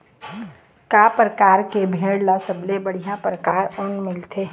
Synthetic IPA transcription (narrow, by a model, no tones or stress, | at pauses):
kaːpɾəkaːɾkebʱeːɽlasəblebəɽ̤ijãpɾəkaːɾɔnmɪlt̪ʰe